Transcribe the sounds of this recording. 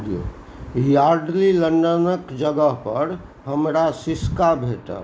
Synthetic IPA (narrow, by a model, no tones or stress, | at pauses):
io̰ | jaːɾɖlilə̃ɳɖənəkd͡ʒəɡəɦpəɾ | ɦəmɾasɪskabʱeːʈa̰ː